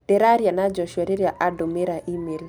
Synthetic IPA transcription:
d̥ɛɾaɾjanad͡ʒɔʃwaɾiɾaʔadomeɾaʔimel

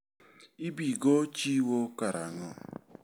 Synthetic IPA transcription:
ibiɡot͡ʃiwokaɾa̰nɔ

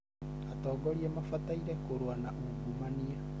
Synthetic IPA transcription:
atɔːɡɔɾiɛmafataiɾɛkoɾoanaʔuɡumania

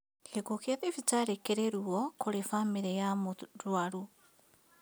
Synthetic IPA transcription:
hekokɛðefitaɾekeɾeɾuɔkoɾefamiɾejamoɾwaɾu

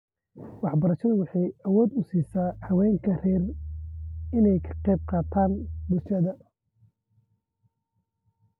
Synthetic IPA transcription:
wɑħbɐɾɐʃɐðɐwʊħɑjɐwɔːd̪ʊsiːsaːhɐwɛːŋkʰɐrɛːr | ɪnɛjkʰɐ̥qɛjb̚qɑːt̪ʰaːnbʊlʃɐðɐ

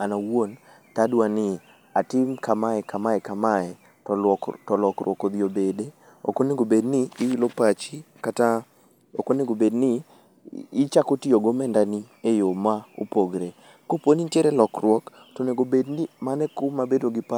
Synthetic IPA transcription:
anawon | tadwanɪ | atɪmkamaɛkamaɛkamaɛ | ɔtɔlɔkrwɔkod̪jobede | o̰koneɡobednɪːlopat͡ʃikata | o̰koneɡobednɪː | t͡ʃakotɪjoɡomɛndaniejomao̰poɡɾe | kopwonintjeɾɛlɔkrwɔk | toneɡobednimanɛkʊmabedoɡɪpa

